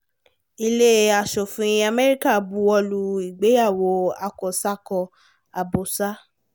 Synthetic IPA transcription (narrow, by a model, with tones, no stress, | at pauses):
i˧le˦a˧˨ʃo˨fĩ˨˦a˧mɛ˦ɾi˦ka˦˨bu˨˦ɔ˧lu˧i˨ɡ͡be˨˦ja˦˨wo˨˧˦a˧kɔ˨sa˦kɔ˧ | a˨bo˨sa˦